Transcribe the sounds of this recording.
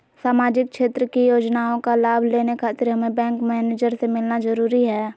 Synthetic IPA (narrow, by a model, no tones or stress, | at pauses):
saːmaːd͡ʒɪk̚kʃeːt̪ɾəkijoːd͡ʒnaːõkalaːbʱleːnekʰaːt̪ɪɾɦəmẽbɛ̃ːŋkmɛːneːd͡ʒəɾsemɪlnazəɾuːɾiɦɛː